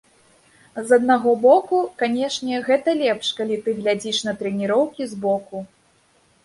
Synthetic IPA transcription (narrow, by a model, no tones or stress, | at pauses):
zɐd̪̚naɣɔbɔkukanʲɛʂnʲɛɣɛt̪ɐlʲɛpʂkalʲit̪ɨɣlʲad͡zʲiʂnɐt̪ɾɛnʲiɾɔwkʲizbɔku